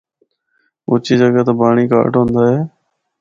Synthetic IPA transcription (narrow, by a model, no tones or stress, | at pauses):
ʊ̰ːt͡ʃiːd͡ʒəɡət̪eːbaːɳiːka̰ːʈɦõnd̪aːɦeː